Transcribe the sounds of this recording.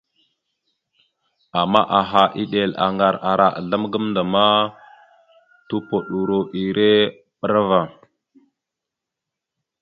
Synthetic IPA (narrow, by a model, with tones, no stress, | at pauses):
a˨mːa̰˦ʔa˨ɦa˨ʔi˦ɗe˨la̰˨ŋɡa˨ɾa˨ɾa˨ʔa̰˨ɮa˦mɡə˦mnda˨ma˦ | tu˦po˨ɗu˨ɾo˨ʔi˨ɾe˦ | ɓə˦ɾa˦va˨